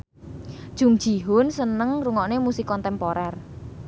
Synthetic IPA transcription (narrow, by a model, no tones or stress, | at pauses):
d̥ʒ̥ṳŋd̥ʒ̥i̤ɦʊnsənəŋruŋɔʔnemusikɔnt̪ɛmpoɾɛr